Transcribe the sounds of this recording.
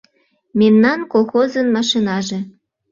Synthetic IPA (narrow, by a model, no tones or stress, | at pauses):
memnɑnkolˠxozə̆nmɑʃinɑʒĕ